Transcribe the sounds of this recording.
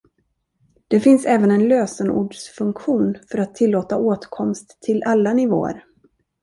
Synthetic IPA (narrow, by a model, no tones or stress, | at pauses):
d̪̥ɛfɪnsɛːvənɛnløːsənṵːɖʂfɵŋkɧuːnfœɾat̪ʰːɪlːoːt̪aoːt̪kʰɔmst̪ʰːɪlʔalːanɪvo̰ːə̰ɾ